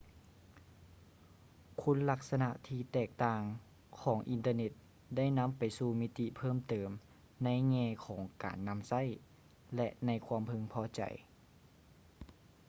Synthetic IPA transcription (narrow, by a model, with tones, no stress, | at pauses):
kʰu˧˥˨nla˧˥k̚sa˧na˧ʔt̪ʰiː˧t̪ɛː˧˩k̚t̪aː˧˩ŋ | kʰɔː˩˦ŋʔi˨nt̪ɤː˧ne˧˥t̪̚ | da˥˩jna˧˥˨mpa˨˩jsuː˧mi˦˧˥t̪i˧˩pʰɤː˥˨mt̪ɤː˨˩m | na˧˥˨jŋɛː˧˩kʰɔː˩˦ŋka̰ː˨˩nːa˧˥msa˥˨j | lɛ˧ʔna˧˥jkʰwaː˧əmpʰɤ˧˥ŋpʰɔː˧˩t͡ɕa̰˨˩j